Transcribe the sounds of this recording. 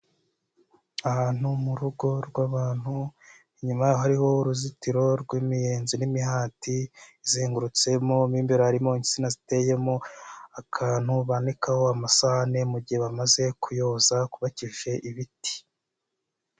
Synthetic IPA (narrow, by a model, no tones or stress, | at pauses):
ahaːn̥humuɾuɡo̞ɾɡwaβaːn̥hu | ɲumajaːhohaɾiho̞uɾuzitiɾo̞ɾɡwiːmijeːnzinimihaːtiziːŋɡuɾut͡se̞mo̞miːmbeɾohaɾimo̞ɲisinazite̞je̞mo̞akʰaːn̥huβanikaho̞amasahane̞muɟihe̞βamaze̞kʰujo̞zakuβaciʒe̞ʔiβiti̥